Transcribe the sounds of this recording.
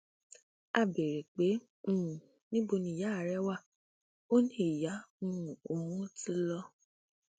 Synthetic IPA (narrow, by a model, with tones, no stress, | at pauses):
a˦˨be˨ɾe˨k͡pe˨˦ | ũ˦˨ | nĩ˦bo˧nĩ˧˨ja˨˦˨ɾɛ˦wa˦˨ | o˦nĩ˦˨ja˨˦mũ˦o˨mũ˦ti˦lɔ˧